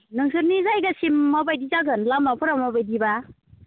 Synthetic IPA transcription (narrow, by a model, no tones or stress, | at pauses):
nɯŋsɯɾnizajɡasimːabajdizaɡɯnlamːapʰɯɾamabajdiba